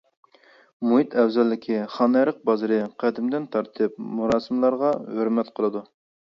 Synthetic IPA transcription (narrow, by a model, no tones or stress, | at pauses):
muɦit̪ʰɛwzɑlːɪkʲʰiχɑnɛɾəq̚bɑzɨɾɨqʰæd̪ɪmd̪ɪnt̪ʰɑɾt̪ʰɨp̚muɾɑːsɨmlˠɑɾʁɑhøɾmɛt̪qʰəlˠɨd̪u